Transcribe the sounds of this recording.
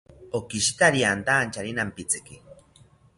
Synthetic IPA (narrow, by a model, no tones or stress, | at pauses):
okiʃt̪aɾiant̪aːnt͡ʃaɾinampit͡sɨ̥ki